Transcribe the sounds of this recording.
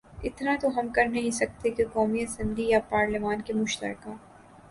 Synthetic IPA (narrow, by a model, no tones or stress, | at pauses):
ɪt̪nat̪oɦɐmkɐɾnɐɦĩsɐk̚t̪ekekɔːmiɐsɛ̃mblijapaːɾlɪmaːnkemʊʃt̪ə̰ɾka